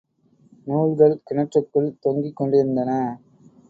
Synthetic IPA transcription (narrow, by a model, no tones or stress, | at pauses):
nuːɻɣɐɭkɪɳɐʈrɯkːɯɭt̪ɔŋɡikːɔɳɖɪɾɯnd̪ɐnɐ